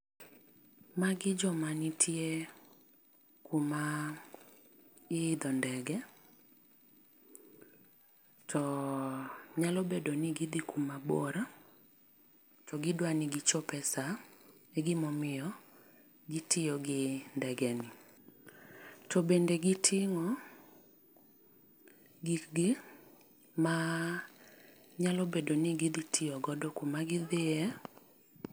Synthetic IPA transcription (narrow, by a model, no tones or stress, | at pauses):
maɡɪd͡ʒɔmanɪtʰie | kuma | ɪd̪ɔndɛɡɛ | tʰɔ | ɲalɔbedonɪɡɪd̪ɪkʰumabɔ̰ɾa | tɔɡɪdwanɪɡɪt͡ʃɔpɛsaɛɡɪmɔmɪjɔ | ɡɪtʰɪjɔɡɪndɛɡɛnɪ | tɔbendeɡɪtʰɪŋɔ | ɡiɡɪ | ma | ɲalɔbedoniɡid̪itʰɪjɔɡɔdɔkumaɡɪðɪɛ